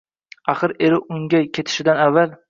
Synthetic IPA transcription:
aχɨɾe̞ɾɪʔʊŋʲakʲʰe̞t̪ʰɪ̥ʃɪd̪anavːal

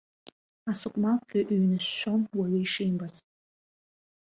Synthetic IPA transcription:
asokʷʼmaaʔɥnɨɕːonwaɥeiʂejmbazʼ

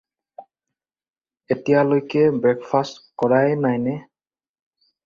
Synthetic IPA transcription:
etijalojkɛbɹɛkfʰastkɔɹajnajnɛ

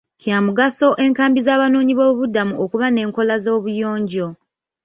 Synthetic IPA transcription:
cjaːmuɡaso̞ʔe̞ːŋkaːmbizaːβano̞ːɲiβo̞ːβudːamuokuβane̞ːŋko̞lazo̞ːβujo̞ːɲɟo̞

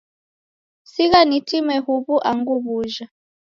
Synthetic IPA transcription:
siɣanitimɛhuβuʔaŋɡuβuʒa

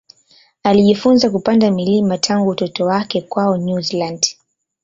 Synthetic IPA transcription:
aliʄifunzak̬upandamilimatʰaŋɡutɔtɔwakɛkwaɔɲuziland

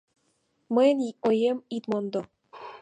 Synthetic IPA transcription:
mənʲojemit̪mond̪o

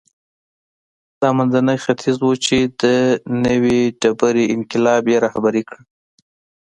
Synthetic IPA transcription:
d̪̥ɑmanzanəjxat̪ʰizwut͡ʃed̪ənəwiɖabaɾiɪnkɪlɑbjeɾɑhabaɾekɽi

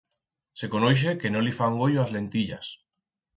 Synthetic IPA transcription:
sekonojʃ̬ekenõlifaŋɡoʎoazlent̪iʎa̰s

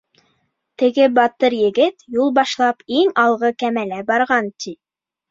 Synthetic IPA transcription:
t̪ɘ̆ɡɘbɑt̪ɤɾjɘ̆ɡɘt̪julˠbɑʃlˠɑpiŋɑlˠʁɤkæmælæbɑɾʁɑnt̪i

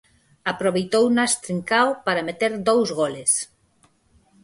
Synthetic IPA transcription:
apɾoβejt̪ownast̪ɾiŋkawpaɾamet̪eɾd̪owzɣoles

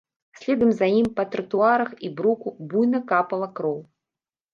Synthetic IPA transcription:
sʲlʲɛd̪ɐmzajimpɐt̪ɾɨt̪uaɾɐxibɾukubujnɐkapɐlˠɐkɾɔw

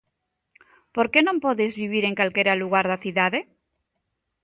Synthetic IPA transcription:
poɾkenõmpɔðezβiβ̞iɾeŋkalkeɾaluɣaɾðaθiðaðe

